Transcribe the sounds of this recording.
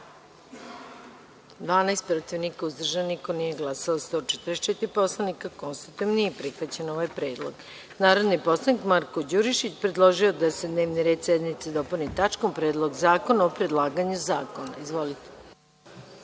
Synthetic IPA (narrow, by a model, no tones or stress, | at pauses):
d̪ʋaːnajst̪pɾot̪iʋnikauzd̪r̩ʒanniko̞niːjeɡlˠasaost̪o̞t͡ʃɛt̪ɾet͡ʃet̪ɾipo̞slˠanikakonst̪it̪iʋnijepɾixʋat͡ɕe̞no̞ʋajpɾe̞ːd̪lˠo̰ɡ | naːɾo̞d̪nipo̞slˠanikmaɾkod͡ʑuɾiʃit͡ɕpɾed̪lˠo̞ʒio̞d̪ase̞d̪ne̞ːʋniɾed̪sjed̪nit̪sed̪o̞punit̪at͡ʃkompɾe̞ːd̪lˠo̞ɡzaːko̞naopɾed̪lˠaːɡaɲuzaːko̞na̰izʋo̞lit̪e̥